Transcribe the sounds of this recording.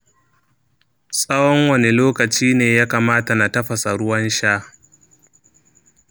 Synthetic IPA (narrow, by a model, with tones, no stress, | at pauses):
sʼɐ˦wɔ˦ŋwɐ˨ne˨loː˦kɐ˨t͡ʃiː˦neː˨jaː˦kaː˨maː˦ta˨na˨tɐ˦ɸɐ˨sa˨ɽʊ˦wɐ˦nʃaː˦